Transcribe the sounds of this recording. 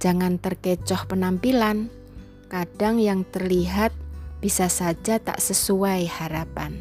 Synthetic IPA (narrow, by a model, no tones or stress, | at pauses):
d͡ʒ̥aŋant̪ərket͡ʃɔhpənampilan | kaɖ̥aŋjaŋt̪ərliɦat̪̚b̥isasad͡ʒat̪a̰ʔsəsuaihaɾapan